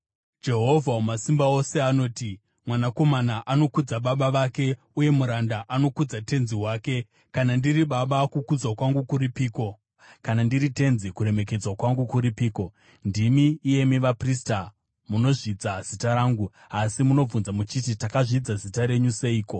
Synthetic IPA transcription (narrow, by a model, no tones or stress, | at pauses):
d͡ʒe̞ɦo̞vʱaumasimbao̞se̞ano̞ːti | mwanako̞manaʔano̞kud͡zaɓaɓaʋake̞ | uje̞muɾandaʔano̞kud͡zate̞nziɦwaːke̞ | kanandiriɓaɓakukud͡zwakwaŋɡukuripiːko̞ | kanandiɾite̞nzikuɾe̞me̞k̬e̞d͡zwakwaŋɡukuɾipiːko̞ | ndimiːje̞miʋaprista | muno̞ʐid͡zaz̥itaɾaːŋɡu | asimuno̞b͡vunzamut͡ʃit̬itakaʐid͡zazitaɾe̞ɲuse̞iːko̞